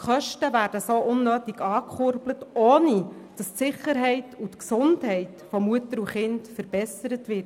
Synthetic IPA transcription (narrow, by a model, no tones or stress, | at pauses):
χœʃtəvæːɾd̥əsoːʔʊnːøːtiɡɑːkχʊɾblətoːnid̥ɑstsɪχəɾɦɛɪtutksʊndɦɛɪtfɔmuətəɾuχɪntfəɾb̥ɛsəɾətʋɪt